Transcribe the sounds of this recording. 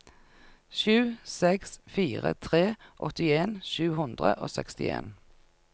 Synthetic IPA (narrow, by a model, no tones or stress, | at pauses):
ʃʉːsɛksfiːʁət̪ʰʁeːʔɔt̪ɪeːnʃʉːhʊnd̪ʁəʔo̰ːsɛkst̪ɪ̰ḛːn